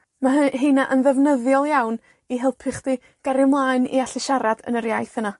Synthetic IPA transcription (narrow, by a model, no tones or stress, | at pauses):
maɦɦinaʔənðɛvnəðjɔlˠjawn | iɦɪlˠpʰɪχd̥i | ɡ̥aɾɪmlˠaːɨnḭaɬɪʃaɾad̥ə̰nəɾjajθəna